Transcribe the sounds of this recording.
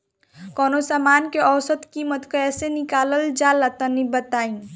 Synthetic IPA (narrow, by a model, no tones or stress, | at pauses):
kɔnosamankeʔəwsət̪kimət̪kəesenikaləld͡ʒalːat̪ənibət̪ain